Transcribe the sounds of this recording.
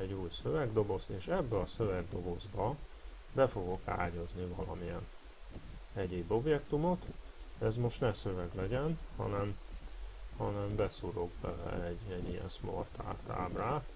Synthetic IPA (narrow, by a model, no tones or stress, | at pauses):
ɛɟuːjsøvɛɡd̪o̞bo̞st̪eːʃɛbːɛɒsøvɛɡd̪o̞bo̞zbɒ | bɛfo̞ɡo̞ka̰ːɟoznivɒlɒmijɛn | ɛɟeːbo̞bjɛkt̪umo̞t̪ | ɛzmo̞ʃt̪nɛsø̞vɛɡlɛɟɛnhɒ̰nɛm | hɒnɛmbɛsuɾoɡbɛlɛ̰ɛɟɛɟːijɛ̰nsmo̰rt̪ʰa̰ːlt̪a̰ːbraːt̪